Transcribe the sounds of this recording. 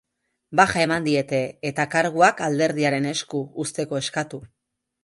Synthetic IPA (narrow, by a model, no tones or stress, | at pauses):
baxae̞mand̪ie̞t̪e̞ːt̪akaɾɣ̞uakald̪e̞ɾðiaɾe̞ne̞skuust̪e̞ko̞e̞skat̪u